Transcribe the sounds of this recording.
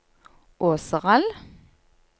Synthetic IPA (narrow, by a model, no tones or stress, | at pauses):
ʔoːsəʁɑl